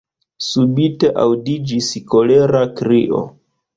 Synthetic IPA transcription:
subiteʔawdid͡ʒisko̞leɾakɾiʔo̰

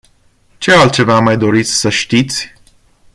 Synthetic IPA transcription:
t͡ʃe̞alt̪̚t͡ʃe̞vamajd̪o̞ɾit̪sʲsəʃt̪it̪sʲ

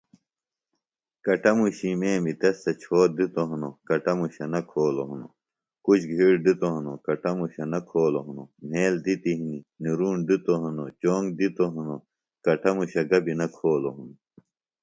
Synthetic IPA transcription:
kɐʈɐmuɕimeːmit̪ɐst̪ɐt͡ɕʰoːd̪it̪oɦɐnokɐʈɐmuɕɐnɐkʰoːloɦuno̰ | kut͡ɕʰɡʱiːɽd̪it̪oɦɐnokɐʈɐmuɕɐnɐkʰoːloɦunom̤eːld̪it̪iɦininiɾuːɳd̪it̪oɦɐnot͡ɕoːŋɡd̪it̪oɦɐno | kɐʈɐmuɕɐɡɐbinɐkʰoːloɦuno

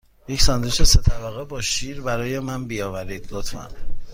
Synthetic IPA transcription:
jecsɒnd̪uʃese̞t̪ʰæbæɣebɒːʃiːɾbæɾɒːje̞mænbijɒːvæɾiːd̪̥lot̪ʰfæ̰n

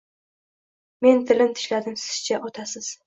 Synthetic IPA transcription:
me̞nt̪ʰɪlɪnt̪ʰɪ̥ʃlad̪ɪmsɪ̥z̥t͡ʃʰaʔɒt̪ʰasɪz̥

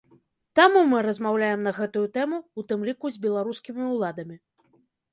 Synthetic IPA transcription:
t̪amumɨɾɐzmawlʲajɛmnɐɣɛt̪ujut̪ɛmuːt̪ɨmlʲikuzʲbʲɛlˠaɾuskʲimʲiulˠad̪ɐmʲi

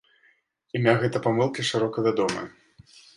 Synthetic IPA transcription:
imʲaɣɛt̪ɐpamɨlˠkʲiʂɨɾɔkɐvʲad̪ɔmɨ̰jɐ

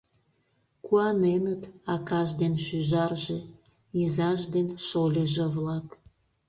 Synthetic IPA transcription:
kuɑnenət̪ɑkɑʒd̪enʃyʒɑrʒe | izɑʒd̪enʃolʲeʒeβlɑk

